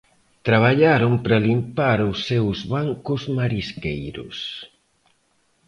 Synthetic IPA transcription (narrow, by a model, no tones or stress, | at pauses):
t̪ɾaβ̞aʎaɾʊmpɾalimpaɾʊsːewzβaŋkʊzmaɾiskejɾʊ̰s